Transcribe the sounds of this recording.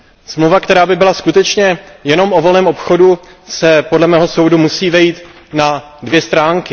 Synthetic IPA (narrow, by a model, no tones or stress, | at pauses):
smlowvakt̪ɛɾaːbɪbɪlaskut̪ɛt͡ʃɲɛjɛno̞mʔo̞vo̞lnɛːmʔo̞pxo̞du | sɛpo̞dlɛmɛːɦo̞so̞wdumusiːvɛjiːt̪ | na | dvjɛst̪ɾaːŋkɪ